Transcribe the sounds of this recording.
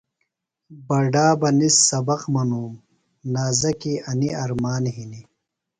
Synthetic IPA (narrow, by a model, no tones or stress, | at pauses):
bɐɖaːbɐnisːɐbɐqmɐnuːm | naːzɐkiɐniɐɾmaːnɦini